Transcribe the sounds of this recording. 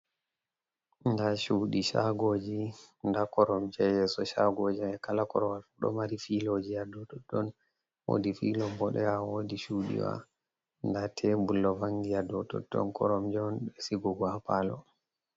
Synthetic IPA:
ndaʃuɗiʃaɡoːd͡ʒindakɔɾɔmd͡ʒɛjɛsɔʃaɡod͡ʒiɛkalakɔɾɔwalfuɗɔ̰maɾifilod͡ʒiadɔtɔdɔn | wo̰difilɔmbɔɗɛjawodiʃuɗḭwa̰ | ndatʰɛbulːɔvaŋɡijadɔtɔ̰tːɔ̰nkʰɔ̰ɾɔmd͡ʒɔnɓɛsiɡɔɡaapalɔ̰

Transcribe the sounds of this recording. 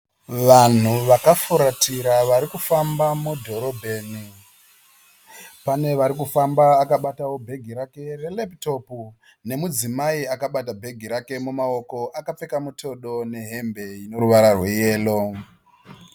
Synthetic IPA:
ʋan̤uʋakafuɾatiɾaʋaɾikufambamudʱo̞ɾo̞bʱe̞ːni | pane̞ʋaɾikufambaːkaɓatawo̞bʱe̞ɡʱiɾake̞re̞lepto̞pu | ne̞mud͡zimaiakaɓatabʱe̞ɡʱiɾake̞mumao̞ko̞ʔakap͡fe̞kamutʰo̞ɗo̞ne̞ɦe̞mbe̞ino̞ɾuʋaɾarwe̞je̞ːlo̞

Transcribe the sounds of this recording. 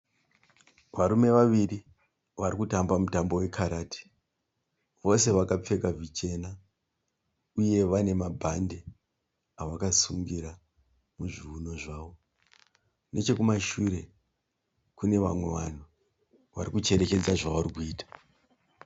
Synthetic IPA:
ʋaɾume̞ʋaʋiri | ʋaɾikutambamutambo̞we̞kʰaɾaːtʰi̥ | ʋo̞se̞ʋakap͡fe̞kavit͡ʃe̞na | uje̞ʋane̞mabʱande̞ | aʋakasuŋɡiɾa | muʐiuno̞ʐaːʋo̞ | ne̞t͡ʃe̞kumaʃuɾe̞ | kune̞ʋa̰mwe̞ʋa̰n̤u | ʋa̰ɾikut͡ʃe̞ɾe̞ke̞d͡zaʐaʋaɾikuiːtḁ

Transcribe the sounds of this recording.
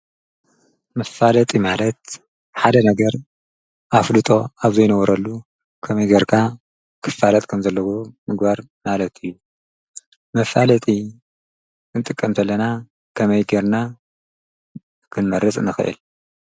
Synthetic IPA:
mɐfːalɐt̪ʼimalɐt̪̚ | ħad̪ɐnɐɡɐɾ | ʔaflɨt̪ʼo̞aβzɐjnɐwɔɾɐlːu | kʰɐmɐjɡɐɾkʰa | kʰɨ̥fːalɐt̪ʼkʰɐmzɐlːɐwomɨɡbaɾ | malɐt̪ʰɨjːu | mɐfalɐt̪ʼi | ɨnt̪ʼɨkʼːɐmt̪ʰɐlːɐna | kʰɐmɐjɡɐɾna | kʰɨnmɐɾɨt͡sʼnɨxɨ̰ʔɨ̰l

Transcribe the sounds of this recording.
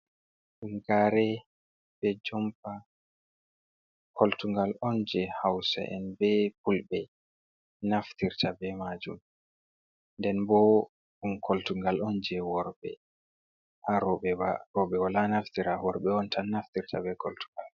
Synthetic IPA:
ɗumɡaɾɛ | b̥ɛd͡ʒɔmpa | kʰoltuŋɡalɔnd͡ʒɛhawsa̰ʔɛ̰nbɛp̚ulbɛ | naftiɾtabɛmad͡ʒum | ndɛnbɔ | ɗumkʰɔltuŋɡalɔnd͡ʒɛwɔɾbɛ̰ | ʔaɾɔɓɛwaɾɔɓɛwalanaftiɾawɔɾɓɛɔntʰanaftiɾta̰bɛkɔltu̥ŋɡal

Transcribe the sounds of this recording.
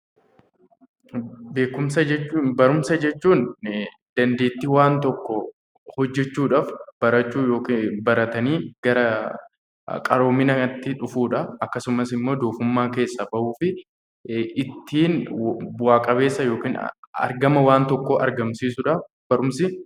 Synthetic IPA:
be̞ːkʊmsɐd͡ʒɛt͡ʃːbɐɾʊmsɐd͡ʒɛt͡ʃːuːn | d̪̥ɐnd̪e̞ːt̪ːiwaːnt̪ɔkːɔ | hɔd͡ʒːɛt͡ʃːuːᶑaːfb̥ɐɾɐt͡ʃːuːjoːkːbɐɾɐt̪ɐniːɡ̥ɐɾɐ | kʼɐ̰ɾo̞ːmːɪnɐɐt̪ːɪᶑʊfuːᶑɐɐkːɐsʊmɐsɪmːo̞ːd̪oːfʊmːaːke̞ːsːɐbɐʔuːfɪ | ɪt̪ːiːnwaːkʼɐbe̞ːsːɐjo̞ːkiːnɐ̰ɾɡɐmɐwaːnt̪ɔkːɔʔɐɾɡɐmsiːsʊᶑaːf | bɐɾʊmsɪ

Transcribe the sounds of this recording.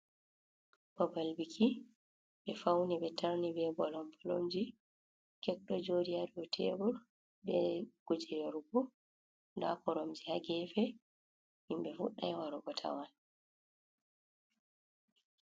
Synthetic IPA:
babalbikʰi | ɓɛfawnibɛtaɾnibɛbɔlɔmbɔlomd͡ʒi | kɛkɗɔd͡ʒodijaɾiɔtʰɛːbɔl | bɛɡ̥od͡ʒiɾɔɾubu | nda̰pɔɾomd͡ʒihaɡɛfɛ | himbɛfuɗːajwaɾuɡɔtʰa̰wan

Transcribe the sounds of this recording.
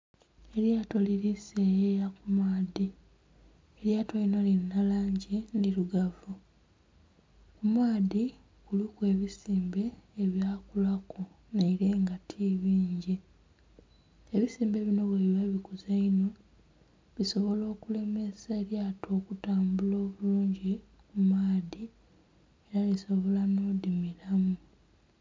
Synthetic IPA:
e̞ɾjato̞liɾisejejakumaːði | eɾjatoinolinːalaːɲɟiniluɡavu | kumaːði | kulikwe̞ːβisiːmbe̞ːβjaːkulako | naiɾe̞ːŋɡatʰiβiːɲɟi | eβisiːmbe̞βino̞βweβiβaβikuzaino̞ | βiso̞βo̞lo̞ːkule̞me̞saeɾjaːtʰo̞ːkutaːmbulo̞ːβuluːɲɟi | kumaːði | eɾaliso̞βo̞lano̞ːdimiɾamu

